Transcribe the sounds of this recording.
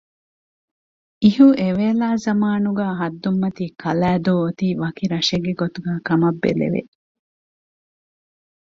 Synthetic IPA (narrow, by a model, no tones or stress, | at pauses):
iɦuʔeʋeːlaːzɐmaːnuɡaːɦɐd̪ːumːɐt̪iːkʰɐlæːd̪oːot̪iːʋɐkiɾɐʃeɡːeɡot̪uɡæːkɐmɐbːḛlḛʋḛ